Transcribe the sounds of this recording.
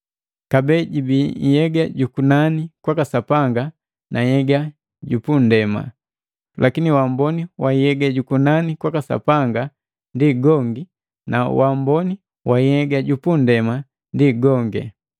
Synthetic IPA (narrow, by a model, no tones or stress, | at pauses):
kabɛɟibijɛɡaɟukunanikwakasapaŋɡa | nʔajɛɡa | ɟupundɛma̰ | lʔakiniwambɔniwaijɛɡaɟukunanikwakasa̰paŋɡa | ndiɡɔŋɡi | na̰wambɔni | waijɛɡaɟupundɛma | ndiɡɔŋɡɛ̰